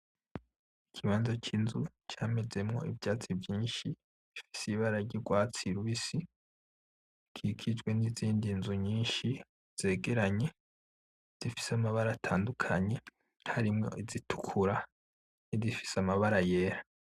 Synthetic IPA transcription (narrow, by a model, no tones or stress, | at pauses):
ikʰiβaːnzat͡ʃinzu | t͡ʃaːme̞ze̞mŋo̞̰ivjaːt͡sivjiːnʃi | ifi̥siβaɾaɾɟiɡwaːt͡siɾuisi | kʰikʰid͡ʒɡwe̞niziːndinzuɲiːnʃi | z̥e̞ːɡe̞ɾaɲe̞ | z̥ifi̥samaβaɾaːtʰaːndukʰaɲe̞ | haɾimŋo̞̰ʔizitʰu̥kʰuɾa | nizifi̥samaβaɾaje̞ːɾa